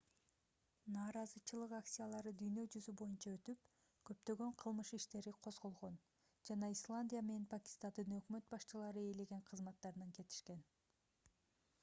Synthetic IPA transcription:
nɑːɾɑzɯt͡ʃɯlˠɯqakt̪ʲsʲijalˠɑɾɯd̪yjnø̞d͡ʒyzybo̞junt͡ʃɑøt̪yp̚ | kʰø̞pt̪ø̞ɡø̞ɴqʰɯlˠmɯʃiʃt̪e̞ɾiqʰo̞zʁo̞lˠʁo̞n | d͡ʒɑnɑislˠanʲdʲijame̞ne̞npʰakʲi̥st̪and̪ɯnø̞kmø̞t̪̚bɑʃt͡ʃɯlˠɑɾɯe̞le̞ɡe̞ɴqʰɯzmɑt̪ːɑɾɯnɑŋke̞t̪i̥ʃke̞n

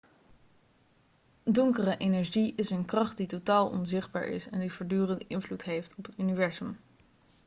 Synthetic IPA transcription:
dɔŋkərəʔejnɛɹʒiʔɪsənkrɑχt̚ditotaːlˠʔɔ̰nzɪχd̚ba̰ːɹɪ̰sɛ̰ndivoːɹdyːrəndəʔɪnvlutɦejftɔpətynivɛɹzəm

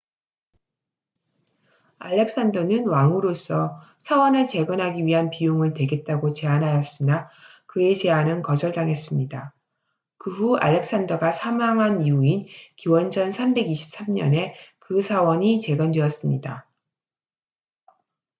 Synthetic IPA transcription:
a̰ʎːe̞k̚s͈andʌnɯnwaŋuɾos͈ʰʌ | sʰawʌnɯɭt͡ɕe̞ɡʌnɦaɡiɥiɦanpijoŋɯɭtwe̞ɡe̞t̚t͈aɡot͡ɕe̞anɦajʌs͈ɯna | kɯe̞t͡ɕe̞anɯnkʌd͡ʑʌɭdaŋɦe̞s͈ɯmɲida | kɯɸua̰ʎːe̞k̚s͈andʌɡasʰamaŋɦaniuinkiwʌnd͡ʑʌnsʰambe̞ɡiɕʰi̥p̚s͈amɲʌne̞kɯsʰawʌɲit͡ɕe̞ɡʌndwe̞ʌs͈ɯmɲida

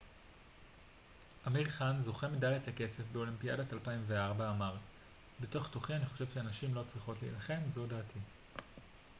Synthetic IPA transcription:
ʔamiʁχanzo̞χe̞midajethake̞se̞fbeo̞limpija̰datalpaimveaʁbaːmaʁ | betoχtoχianiχo̞ʃe̞vʃeanaʃimlo̞t͡sʁiχo̞tlḭːlaχe̞mzo̞daːtʰi

